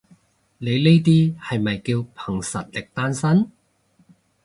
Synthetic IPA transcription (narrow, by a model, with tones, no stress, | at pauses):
le˨˧jle˥jt̪̬iː˥hɐ˨jmɐ˨˩jkiː˧wpʰɐ˨˩ŋsɐ˨t̚lɪ˨k̚t̪aː˥nsɐ˥n